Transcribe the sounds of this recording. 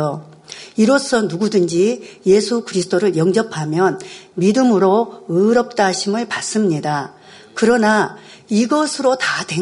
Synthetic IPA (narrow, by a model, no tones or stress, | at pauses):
o | iɾos͈ʰʌnuɡudɯnd͡ʑije̞sʰukɯɾisʰɯ̥t͈ʰoɾɯɭjʌŋd͡ʑʌpʰamjʌnmidɯmɯɾoɯɾʌp̚t͈aɕʰimɯɭpas͈ɯmɲida | kɯɾʌna | iɡʌsʰɯɾotate̞